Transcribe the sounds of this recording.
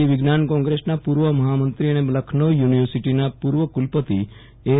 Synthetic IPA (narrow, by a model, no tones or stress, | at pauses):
iʋiɡnankɔ̃ŋɡɾesnapuɾʋəməɦamənt̪ɾiənebləkʰnojuniʋəɾsiʈinapuɾʋəkulpət̪i | e